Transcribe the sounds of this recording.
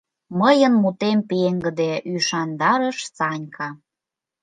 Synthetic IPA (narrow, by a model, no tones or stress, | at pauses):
məjə̆nmut̪empeeŋɡə̆d̪eyʃɑnd̪ɑɾə̆ʃt͡sɑnʲkʰɑ